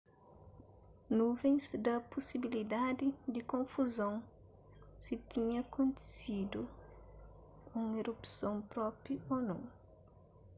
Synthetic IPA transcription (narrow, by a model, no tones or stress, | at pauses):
nuvẽj̃sd̪ɐposibilid̪ad̪id̪ikõɱfuzõw̃ | sit̪ĩɲɐkõnt̪e̥sid̪u | ũŋeɾupsõw̃pɾɔpionõ̰w